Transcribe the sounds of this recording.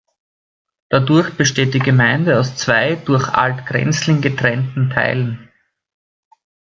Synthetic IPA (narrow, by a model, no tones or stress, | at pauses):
d̥adʊɐçb̥əʃteːt̚d̥iːɡəmaɪndəaʊst͡sv̥aɪd̥ʊɐçʔa̰ltɡ̥ʁɛ̰nt͡slɪŋɡətʁ̥ɛntn̩tʰa̰ɪlən